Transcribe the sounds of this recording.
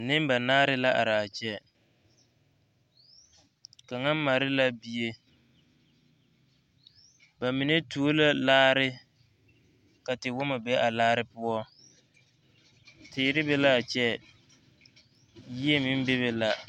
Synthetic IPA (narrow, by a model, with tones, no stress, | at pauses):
nɪ˦m˦ba˨naː˦ɾɪ˦la˦ʔa̰˨ɾɪ˨a˨t͡ʃɛ˦ | ka˨ŋa˦m˦ma˨ɾɪ˦la˦bi˦e˦ | ba˨mi˨ne˦tu˦o˦la˦laː˦ɾɪ˦ | ka˨tɪ˨wʊ˦ma˨be˦ʔa˨laː˦ɾɪ˦pʊ˦ɔ˦ | tɪː˨ɾɪ˦be˦la˦a˨t͡ʃɛ˦ | ji˦e˦mɪ˦m˦be˦βe˨la˦